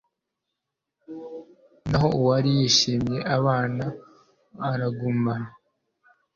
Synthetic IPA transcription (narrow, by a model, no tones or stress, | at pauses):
naɦo̞uwaɾijiʃiːmje̞ʔaβaːnaː | ɾaɡuma